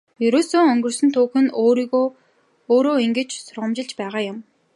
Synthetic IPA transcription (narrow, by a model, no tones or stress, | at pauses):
jɵɾoːsoːɔŋɡɵ̆rsɵ̆nt̪ʰuːxɵ̆nɾiɣo | oːɾoːiŋɡɘ̆t͡ɕsʊrʁə̆mt͡ɕɪ̆ɮt͡ɕpæːʁaːjʊm